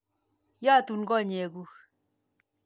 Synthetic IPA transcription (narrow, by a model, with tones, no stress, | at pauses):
ja˦˨tu˨nɡɔ˦˨ɲɛ˨ɡu˦x